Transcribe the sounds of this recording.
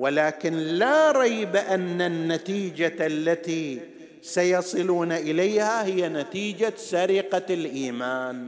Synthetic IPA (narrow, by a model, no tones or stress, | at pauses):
wɪlaːkɪnlaɾˤɑjbʔanːanːat̪iːd͡ʒaalːat̪i | sajɑsˤɨluːnaʔɪlajhahɪjːanat̪iːd͡ʒasaɾɪqalʔiːmaːn